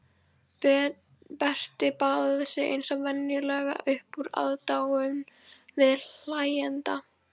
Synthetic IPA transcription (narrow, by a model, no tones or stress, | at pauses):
pɛr̥t̪ɪpaːðaθɛsɪḛjnsɔvɛnjʏlɛɣa̰ʔʏhpuɾa̰ðt̪aːwʏmvɪðl̥ajɛnt̪a